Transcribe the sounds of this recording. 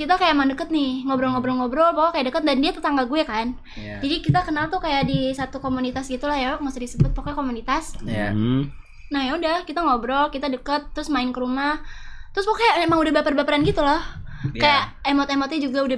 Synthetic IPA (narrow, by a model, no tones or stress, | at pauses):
kit̪akajamadəkət̪̚nɪhŋobɾɔlŋɔbɾɔlŋɔbɾɔlpakakajaʔdəkət̪̚dandiat̪ət̪aŋɡaɡuɛkan | d͡ʒadikit̪akənalt̪ʊkajaʔdisat̪ukomunit̪asɡit̪ulahjaŋasʊhdisəbʊt̪̚pakakomunit̪as | nahjaudahkit̪aŋobɾɔlkit̪adəkət̪ːəɾʊsmaɪnkəɾumaht̪ɾʊspakajaemaŋudahbapərbapəɾanɡit̪ulɔh | kajaʔemɔt̪emɔt̪ɲɛd͡ʒuɡauda